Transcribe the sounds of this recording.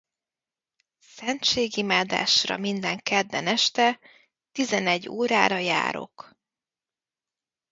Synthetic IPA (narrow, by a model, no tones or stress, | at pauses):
sɛnt͡ʃeːɡimaːd̪a̰ːʃrɒ̰mind̪ɛŋkɛd̪ːɛnɛʃt̪ɛ | t̪izɛnɛɟːoːɾaːɾɒja̰ːɾo̞̰k